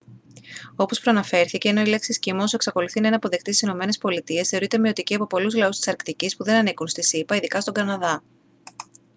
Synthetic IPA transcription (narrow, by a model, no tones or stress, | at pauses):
o̞po̞spɾoɐnɐfe̞ɾθice̞ːno̞ile̞ksiscimosue̞ksɐko̞luθinenɐpo̞ðek̚t̪isi̥sino̞me̞ne̞spo̞lit̪ie̞sθe̞o̞ɾit̪e̞miot̪iciɐpo̞po̞luzlɐust̪i̥sɐɾkt̪icispuðe̞nɐnikunst̪isipɐiðikɐst̪o̞ɡɐnɐðɐ